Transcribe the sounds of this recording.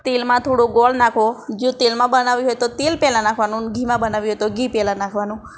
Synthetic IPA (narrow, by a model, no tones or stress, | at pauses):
t̪elmãt̪ʰoɽũɡɔlnakʰʋod͡ʒõt̪elmãbənaʋiɦɔjt̪ot̪elpɛlãnakʰʋanũɡʱimãbənaʋiɦojt̪oɡʱipɛlãnakʰʋanũ